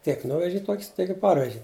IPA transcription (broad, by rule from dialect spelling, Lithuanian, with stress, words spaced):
tʲiɛk ˈnʊʋʲɛʒʲɪ ˈtoːkʲsʲ tʲiɛk ɪ ˈpɐrʲʋʲɛʒʲɪ